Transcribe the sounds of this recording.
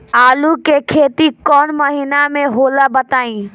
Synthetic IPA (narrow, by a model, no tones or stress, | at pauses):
aːlukekʰet̪ikɔnməɦinameɦolabət̪aːĩ